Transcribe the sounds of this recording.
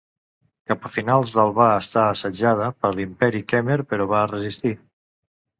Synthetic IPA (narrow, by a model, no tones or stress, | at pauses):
kapəfinalˠzðəlˠβaəst̪aːsəd͡ʒað̞əpəɾlimpɛɾikɛmeɾpəɾɔβaərəzist̪i